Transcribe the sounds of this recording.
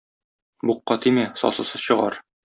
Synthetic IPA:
buqːɑt̪imæsɒ̰sɤ̆sɤzɕɤ̆ʁɑ̰ɾ

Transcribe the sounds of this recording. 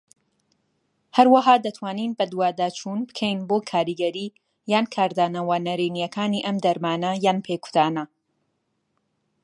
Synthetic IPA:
hɐɾwɐɦaːd̪ɐt̪ʰwaːniːnbɐd̪uwaːd̪aːt͡ʃʰuːnbɨ̥kʰɛjnboːkʰaːɾiɡɐɾiː | jaːnkʰaːɾd̪aːnɐwɐnɐɾiːnijɛkʰaːniʔɐmd̪ɐɾmaːnɐjaːnpʰekʰʊ̥t̪ʰaːnɐ

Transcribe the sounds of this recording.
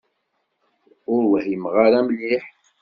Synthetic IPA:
ʊɾwhjəmʁaɾæmliħ

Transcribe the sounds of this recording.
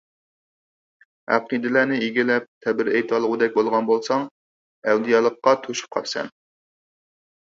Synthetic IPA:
æ̰qid̪ɪlænɪiɡʲilɛp̚t̪ʰɛbɪɾɛjt̪ʰɑlˠəʁʊd̪ɛk̚ʲbolˠʁɑnbolˠsɑŋ | æwd̪ijɑlˠəqːɑt̪ʰoʃu̥p̚qʰɑ̰ɾsɛ̰n

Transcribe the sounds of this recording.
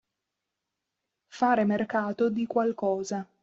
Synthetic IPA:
faːɾemerkaːt̪od̪ikwalkɔːza

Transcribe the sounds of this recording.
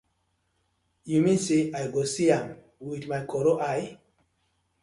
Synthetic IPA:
jumeseʔajɡosiãm | widmajkʰɔɾoʔaj

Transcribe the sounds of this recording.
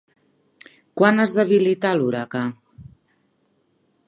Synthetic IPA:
kwanəzðəβilit̪aluɾaka

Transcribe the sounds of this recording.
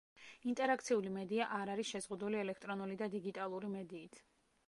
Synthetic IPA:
int̪ʼɛɾak̚ʰt̪sʰiulimɛd̪iaʔaɾaɾisʃɛzʁud̪uliɛlɛkʰt̪ʼɾɔnulid̪ad̪iɡit̪ʼalˠuɾimɛd̪iːt̪ʰ

